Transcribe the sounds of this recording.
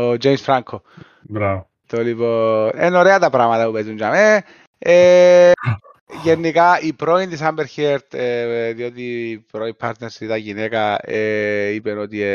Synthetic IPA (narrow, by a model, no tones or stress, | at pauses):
od͡ʒejmsfɾaŋkʰo | bɾa | t̪olipoḛnoɾeat̪apɾamat̪apupezund͡ʒame | e | jenːikaipɾoind̪isambeɾçeɾt̪ðjot̪ipɾoipʰaɾt̪neɾsit̪aʝinekaeipɛnot̪ie